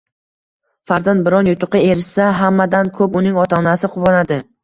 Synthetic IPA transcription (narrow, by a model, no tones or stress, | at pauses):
faɾzand̪̚bɪɾɒnjʊt̪ʰʊqʰɨe̞ɾɪʃsaɦamːad̪ankʰɵpʊnɪŋɒt̪ʰaːnasɪqʰʊvɒnad̪ɪ